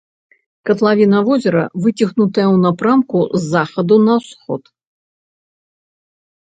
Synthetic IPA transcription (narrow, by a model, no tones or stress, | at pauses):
kɐt̪lˠavʲinɐvɔzʲɛɾɐ̰vɨt͡sʲixnut̪ɐjɐwnapɾamkuzːaxɐd̪unɐwsxɔ̰t̪